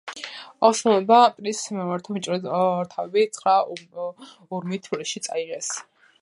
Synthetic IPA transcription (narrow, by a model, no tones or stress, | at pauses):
ɔʃulˠɛbapʼɾismɛmaɾt̪ʰɔmit͡ʃʼɾɛɾt̪ʰavɛbit̪sʰχɾa | uɾmit̪ʰbliʃit̪sʼa̰iʁɛs